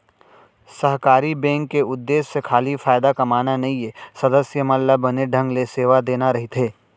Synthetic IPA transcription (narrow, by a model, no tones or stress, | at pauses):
sɐɦkaːɾibɛ̃ːŋkːeʊd̪ːeːʃːekʰaːlifaːɪd̪akɐmaːnanɐɦĩesɐd̪əsjəmɐllabɐneɖʱɐ̃ŋɡleseːʋad̪eːnaɾɐɦit̪ɦeː